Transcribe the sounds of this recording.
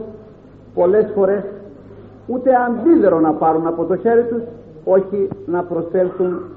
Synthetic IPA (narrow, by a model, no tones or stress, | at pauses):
po̞le̞sfo̞ɾe̞s | ut̪e̞ɐnðiðe̞ɾo̞nɐpɐɾunɐpo̞t̪o̞çe̞ɾit̪us | o̞çinɐpɾo̞se̞lθun